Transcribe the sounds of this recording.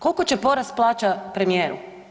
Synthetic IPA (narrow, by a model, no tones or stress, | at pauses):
ko̞lko̞t͡ɕepo̞ɾasplˠaːt͡ʃapɾemije̞ːɾṵ